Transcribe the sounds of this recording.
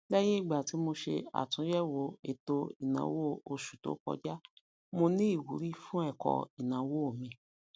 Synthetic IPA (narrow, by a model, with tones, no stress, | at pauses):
lɛ˦je˦i˦˨ɡ͡ba˨ti˨˦mo˧ʃḛ˧a̰˨tũ˨˦jɛ˦wo˨˧˦e˨to˧i˨nã̰˨˦wo˦o˧ʃu̥˨to̰˨˦kɔ̰˧d͡ʒa˦ | mo˧nĩ˦i˦˨wu˨˦ɾi˦fũ˦ɛ˦˨kɔ̰˧i˨nã˨˦wo˦o˦˨mĩ˧